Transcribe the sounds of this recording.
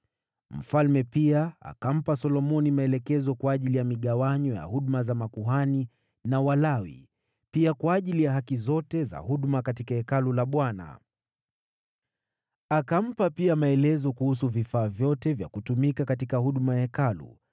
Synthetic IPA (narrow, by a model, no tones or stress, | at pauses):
m̩falmɛpiaa̰kam̩pasɔlɔmɔnimaɛlɛkɛzɔkwaːʄilijamiɠawaɲɔja̰huɗmazamakuɦani | nawalawḭ | piakwaːʄilijaɦakizɔtɛza̰huɗmakatikahɛkalulaɓwana̰ | akam̩papiamaɛlɛzɔkuhus̬uvifaːvjɔtɛvja̰kutumikakatikaɦuɗmajakalṵ